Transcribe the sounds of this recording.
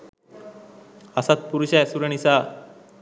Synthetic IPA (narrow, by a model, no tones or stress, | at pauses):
asat̪̚puɾuɕɛsuɾeɳ̃isa